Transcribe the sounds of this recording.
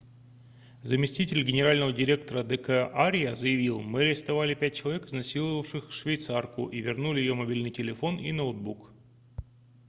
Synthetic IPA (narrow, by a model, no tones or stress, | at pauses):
zəmʲɪsʲtʲitʲɪlʲɡʲɪnʲɪɾalʲnəvədʲɪɾʲe̞k̚t̪əɾəd̪ɛkɛʔaɾʲɪjzəjɪvʲilˠmɨɾʲɪst̪ɐvalʲɪpʲæt̚ʲt͡ɕɪlˠɐvʲekɨznɐsʲilˠəvəfʂɨxʂvʲɪjt̪sarkʊ̰ʔivʲɪrnulʲɪjɪjomɐbʲilʲnɨjtʲɪlʲɪfo̞nḭnod̪̚buk